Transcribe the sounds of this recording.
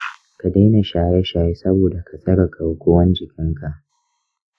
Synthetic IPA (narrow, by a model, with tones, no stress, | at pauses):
ka˨da˦ne˨ʃaː˨jɛ˦ʃaː˨je˦sɐ˦boː˨da˨ka˨sʼɐ˦ɽɐ˨kʼa˨wkʷo˦wɐ˦nd͡ʒɪ˨kʲɪ˦ŋka˨ʔ